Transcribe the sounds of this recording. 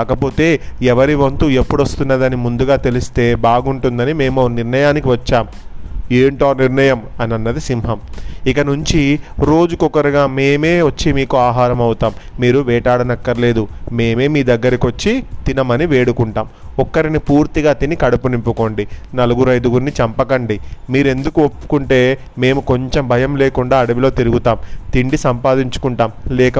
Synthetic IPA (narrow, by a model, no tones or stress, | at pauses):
aːkɐpo̞ːt̪e̞ːɛʋɐɾiʋɐnt̪uepːuɽɐst̪unːad̪ɐnimund̪uɡaːt̪e̞list̪e̞ːbaːɡuɳʈund̪ɐnime̞ːmoːniɾnɐjaːnikiʋɐt͡ʃːaːm | eːɳʈoːniɾɳɐjɐmɐnɐnːɐd̪isimɦɐmikɐnuɲt͡ʃiɾo̞ːd͡ʒukɔkɐɾiɡaːme̞ːme̞ːʋɐt͡ʃːimiːkuaːɦaːɾɐmɐwut̪aːmːiːɾuʋɛːʈaːɽɐnɐkːɐɾle̞ːd̪ume̞ːme̞ːmiːd̪ɐɡːɐɾɐkiot͡ʃːit̪inɐmɐniʋeːɽukuɳʈaːmɔkːɐɾinipuːɾt̪iɡaːt̪inikɐɽɐpunimpuko̞ːɳɖinɐluɡuɾɐjd̪uɡuɾnːit͡ʃɐmpɐkɐɳɖimiːɾe̞nd̪ukuopːu̥kuɳʈe̞ː | me̞ːmuko̞ɲt͡ʃe̞mbʱɐjɐmle̞ːkuɳɖaːɐɽɐʋilo̞ːt̪iɾuɡut̪aːmt̪iɳɖisɐmpaːd̪iɲt͡ʃu̥kuɳʈaːmlɛːkɐ